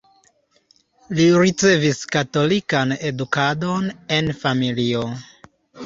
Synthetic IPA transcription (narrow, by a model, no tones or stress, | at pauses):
liɾit͡se̞viskato̞likanedukado̞ne̞nfamilio